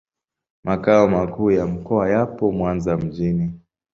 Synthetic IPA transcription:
mʔakaɔmakuːjam̩kɔajapɔmwanzam̩ʄini

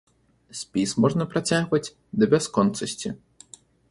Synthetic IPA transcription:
sʲpʲismɔʐnɐpɾat͡sʲaɣvɐt͡sʲ | d̪ɐbʲɛskɔnt̪sɐsʲt͡sʲi

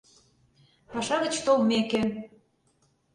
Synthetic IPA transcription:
pɑʃɑɣə̆t͡ɕt̪olmekĕ

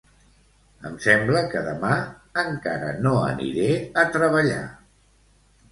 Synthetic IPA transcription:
əmsɛmbləkəðəma | əŋkaɾə̰noə̰nḭɾeət̪ɾəβəʎa̰

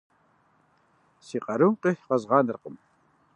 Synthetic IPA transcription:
siqʼɑɾumqeħqɑzʁɑːnərqəm

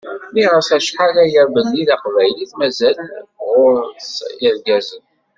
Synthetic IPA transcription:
miʁəfæʃħalæjəɾbənːiðaqvæjliθmæzælʁʊɾsiɾɡæzən

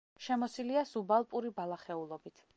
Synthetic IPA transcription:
ʃɛmɔsiliasubalˠpʼuɾibalˠaχɛulˠɔbit̪ʰ

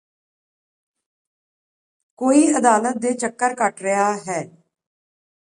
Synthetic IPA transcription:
koːiːəd̪aːlət̪̚d̪eːt͡ʃəkːəɾkəʈɾɪjaːɦɛː

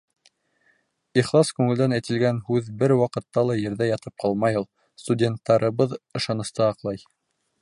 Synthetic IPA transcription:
iχlˠɑskʉŋɘ̆ld̪ænæjt̪ɘ̆lɡænhʉðbɘɾwɑqɤ̆t̪ːɑlˠɑjɘ̆ɾðæjɑt̪ɤp̚qʰɑlˠmɑjɤlˠ | st̪udʲe̞nt̪ːɑɾɤ̆βɤðɤ̆ʃɑnɤ̆st̪ɑɑqlˠɑj

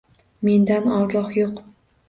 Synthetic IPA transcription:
me̞nd̪anɒɡʲɒhjoq

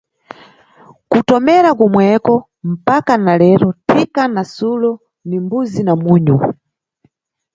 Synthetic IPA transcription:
kutɔmɛɾakumwɛkɔ | m̩pakanalɛɾɔtʰikanasulɔ | nimbuzinamuːɲu

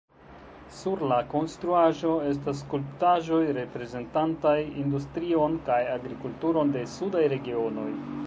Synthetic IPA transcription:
suɾlako̞nstɾuaʒo̞e̞s̬tas̬ːkulptaʒo̞jɾe̞pɾe̞ze̞ntantajindustɾio̞nkajaɡɾikultuɾo̞nde̞sudajɾe̞ɡio̞no̞j

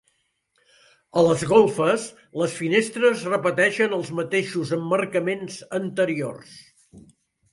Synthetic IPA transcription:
ələzɣolˠfəs | ləsfinest̪ɾəzrəpət̪ɛʃənəlˠzmət̪eʃuzəmːərkəmenzənt̪əɾio̰rs

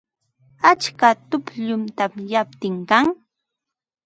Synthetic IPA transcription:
at͡ʃkat̪ʊpʎʊnt̪amjap̚t̪ɪŋkaŋ

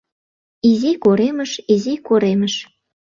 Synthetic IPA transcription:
izikoɾemə̆ʃizikoɾeməʃ

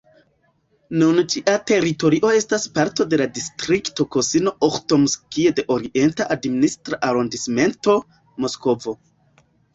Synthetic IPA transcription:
nunt͡ʃiʔate̞ɾito̞ɾiʔo̞e̞staspaɾto̞de̞ladistɾikto̞ko̞sino̞ʔoxto̞mskiede̞ʔo̞ɾiʔe̞ntaʔadministɾaʔaɾondisme̞nto̞ | mo̞sko̞vo̞

